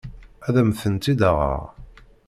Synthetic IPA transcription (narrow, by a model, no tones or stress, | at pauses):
æðæmθənt̪id̪aʁə̰ʁ